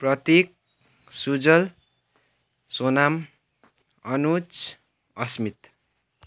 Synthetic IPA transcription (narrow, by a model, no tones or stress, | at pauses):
prʌt̪ek̚ | sud͡zʌl | sonam | ʌnut͡s | ʌsmit̪